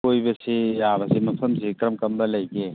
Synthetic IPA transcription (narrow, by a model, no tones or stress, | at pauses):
ojbɐsiaβɐsimɐpʰɐmsikɾɐmkɐmbɐlɐjke